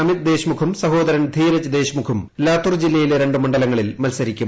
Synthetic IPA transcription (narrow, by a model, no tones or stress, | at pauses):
ɐmit̪̚d̪e̞ːɕmukʰumsɐɦo̞ːd̪ɐɾɐnd̪ʱiːɾɐt͡ɕːɐd̪e̞ːɕmukʰumlaːt̪ːurd͡ʑilːɐjileɾe̞ɳɖɨmɐɳɖɐlɐŋːɐɭilmɐlsɐɾikʲːum